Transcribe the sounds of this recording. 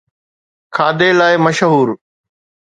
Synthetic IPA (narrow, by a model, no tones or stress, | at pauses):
kʰaːd̪elaːɪməʃɦuːɾ